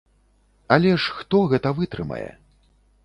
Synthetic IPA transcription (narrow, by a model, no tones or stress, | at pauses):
ɐlʲɛʂxt̪ɔɣɛt̪ɐvɨt̪ɾɨmɐ̰jɛ̰